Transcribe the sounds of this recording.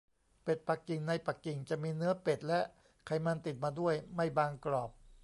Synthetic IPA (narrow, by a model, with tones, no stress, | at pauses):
pe˨˩t̪̚pa˨˩kːi˨˩ŋna˧jpa˨˩kːi˨˩ŋt͡ɕa˨˩miː˧nɯ˦˥ɐpe˨˩t̪̚lɛ˦˥ʔ | kʰa˧˩jma˧nt̪i˨˩t̪̚maː˧du˥˩əjma˥˩jbaː˧ŋklɔː˨˩p̚